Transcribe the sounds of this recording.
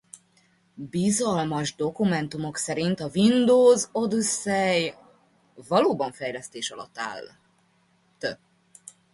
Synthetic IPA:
bizɒlmɒʒd̪o̞kumɛnt̪umo̞ksɛɾint̪ɒvind̪oːzo̞d̪usːɛj | vɒloːbɒɱfɛjlɛst̪eːʃɒlɒ̰t̪ːa̰ːl | t̪øb

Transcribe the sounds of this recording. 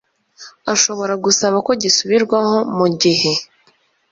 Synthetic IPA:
aʃo̞βo̞ɾaɡusaβako̞ɟisuβiɾɡwaho̞muɟihe̞

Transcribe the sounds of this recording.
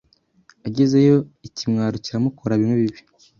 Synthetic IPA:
aɟezejo̞icimŋaːɾuciɾamukʰo̞ɾaβimŋweβiβi̥

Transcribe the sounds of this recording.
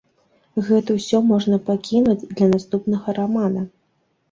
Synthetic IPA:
ɣɛt̪ɐwsʲɔmɔʐnɐpakʲinud͡zʲd̪lʲɐnast̪upnɐɣɐɾamanɐ

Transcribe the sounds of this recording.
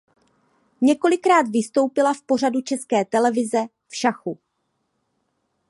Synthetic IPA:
ɲɛko̞lɪkɾaːt̪vɪst̪o̞wpɪlafpo̞r̝adut͡ʃɛskɛːt̪ɛlɛvɪzɛ | fʃaxu

